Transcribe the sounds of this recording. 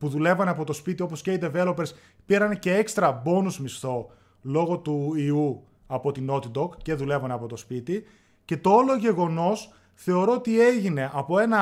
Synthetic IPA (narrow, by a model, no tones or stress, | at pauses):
puðule̞vɐneɐpot̪o̞spit̪io̞po̞sceid̪eve̞lo̞pes | piɾɐnece̞ekst̪ɾɐbo̞nuzmist̪o̞ | lo̞ɣo̞t̪uiu | ɐpo̞t̪ino̞t̪id̪o̞kce̞ðule̞vɐneɐpo̞t̪o̞spit̪i | ce̞t̪o̞olo̞ʝe̞ɣo̞no̞s | θe̞o̞ɾo̞ot̪ie̞ʝine̞ʔɐpo̞e̞nɐ